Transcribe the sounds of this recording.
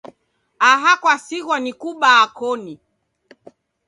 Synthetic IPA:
aɦakwasiɣwanikuɓaːkɔni

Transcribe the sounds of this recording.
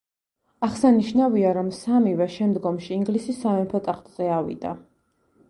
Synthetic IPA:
aχsaniʃnaviaɾɔmsamivɛʃɛmd̪ɡɔmʃiːŋɡlisisːamɛmpʰɔt̪ʼaχt̪ʼz̥ɛavḭd̪a̰

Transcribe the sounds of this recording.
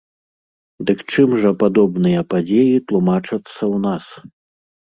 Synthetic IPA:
d̪ɨkt͡ʂɨmʐɐpad̪ɔbnɨjɐpad͡zʲejit̪lˠumat͡ʂɐt̪sːɐwnas

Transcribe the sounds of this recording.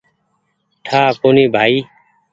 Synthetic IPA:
ʈʰaːkoːniːbʱaːiː

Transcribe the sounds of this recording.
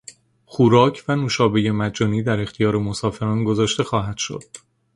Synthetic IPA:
xuːɾɒːcʰvænuːʃɒːbe̞je̞mæd͡ʒɒːniːd̪æɾe̞xt̪ʰijɒːɾe̞mosɒːfe̞ɾɒːnɡozɒːʃt̪e̞xɒːɦæd̪̥ʃo̰d̪̥

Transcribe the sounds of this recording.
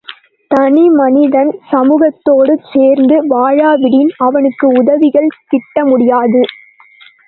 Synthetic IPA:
t̪ɐnimɐnɪðɐnsɐmuːɣɐt̪ːoːɽɯt͡ʃeːɾnd̪ɯʋaːɻaːʋɪɽɪnɐʋɐnɯkːɯʊðɐʋɪɣɐɭk̪ɪʈːɐmʊɽɪjaːðɯ

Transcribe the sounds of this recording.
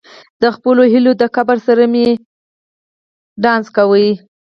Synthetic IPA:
d̪̥əxpəloɦilod̪əkabaɾsaɾame | ɖɑnzkawəj

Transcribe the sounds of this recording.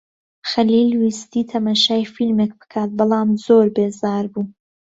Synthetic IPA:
xɐliːlwist̪iːt̪ʰɐmaʃaːjfilmek̚bɨ̥kʰaːt̪̚bɨlˠaːmzoːɾbeːzaːɾbuː

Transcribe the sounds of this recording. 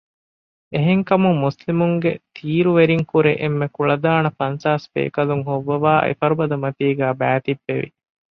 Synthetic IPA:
eɦeŋkɐmumːuslimuŋɡet̪ʰiːɾuʋeɾiŋkuɾeʔemːekuɭɐd̪aːnɐfɐnsaːspḛːkɐluŋɦoʋːɐʋaːʔḛfɐɾubɐd̪ɐmɐt̪iːɡæːbæːt̪ibːeʋḭ

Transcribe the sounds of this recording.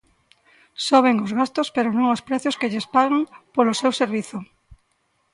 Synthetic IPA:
soβ̞eŋozɣast̪ospeɾonõŋospɾɛθjoskeʎespaɣaŋpolosewseɾβiθʊ

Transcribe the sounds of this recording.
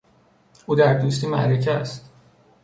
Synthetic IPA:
ʔuːd̪æɾd̪ust̪iːmæ̰ʔɾecʰæst̪

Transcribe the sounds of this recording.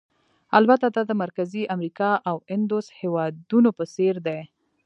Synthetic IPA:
albat̪ad̪ad̪əmaɾkaziʔamɾikɑʔawɪnd̪oshewɑd̪unopəseɾd̪e

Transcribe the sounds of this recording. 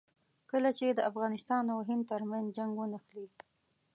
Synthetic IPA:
kəlat͡ʃed̪əafɣɑnɪst̪ɑnawɦɪnd̪̚t̪əɾmanzd͡ʒaŋɡwənaxli

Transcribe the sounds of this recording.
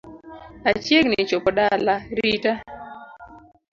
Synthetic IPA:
at͡ʃeknɪt͡ʃopɔɗalaɾita

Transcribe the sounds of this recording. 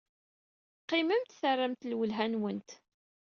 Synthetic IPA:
qːɪməmt̪θərːəmt̪lwəlɦænwənt̪

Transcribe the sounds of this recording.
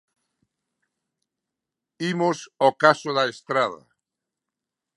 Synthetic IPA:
imosokasoðaest̪ɾaðɐ̰

